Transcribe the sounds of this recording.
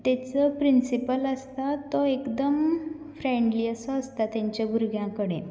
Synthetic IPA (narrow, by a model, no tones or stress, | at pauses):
t̪ɛt͡səpɾinsipələst̪at̪ɔekd̪əm | fɾẽɳɖliəsɔːst̪at̪jãɲt͡ɕjabʱuɾɡʱjãkəɽe